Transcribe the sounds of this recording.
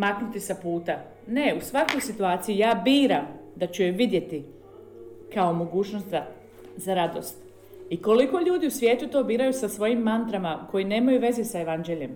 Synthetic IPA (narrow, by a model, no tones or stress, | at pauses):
maknut̪isapuːt̪a | ne̞usʋako̞jsit̪uaːt̪sijujaːbiːɾamd̪at͡ɕuʋid̪je̞t̪i | kao̞mo̞ɡuːt͡ʃnost̪za | zaɾad̪o̞̰st̪ | iko̞liko̞ʎuːd̪iusʋjeːt̪ut̪o̞ːbiːɾajusasʋo̞jimːant̪ɾamako̞jine̞ːmajuʋe̞zisae̞ʋand͡ʒeʎe̞m